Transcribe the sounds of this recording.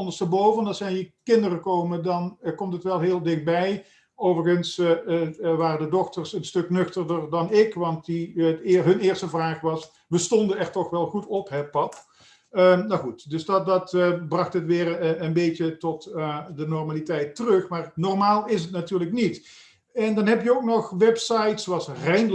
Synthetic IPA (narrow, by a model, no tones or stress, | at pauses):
ɔndəstəbowvənɑsɛjnjəkɪndərəkowmədɑnkɔmtətʋɛlˠɦɪːlˠdɪxt̚bɛj | owvərχəns | ʋaːrəndədɔxtərsənstɵknɵxtərdərdɑnɪkʋɑnt̚diɦɵnɪːɹrstəvraːχʋɑs | ʋəstɔndənɛrtɔχʋɛlˠχutɔpɦɛpɑp | ənaxutdɵsddɑtbrɑxtɦətʋɪːrənbejtətɔtdənɔɹmaːlitɛjtərɵxmaːrnɔrmaːlˠɪs̬ətnatyːɹləknit | ɛndɑnɦɛpjəowk̚nɔχʋɛpsɑjtsoɑsrɛjn